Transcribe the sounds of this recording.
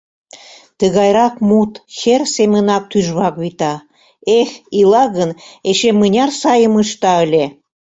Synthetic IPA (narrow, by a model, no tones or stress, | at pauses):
t̪əɣɑjɾɑkmut̪xersemʲənɑk̚t̪yʒβɑkβit̪ɑ | exilɑɣəneʃemənʲɑrsɑjəməʃt̪ɑəlʲe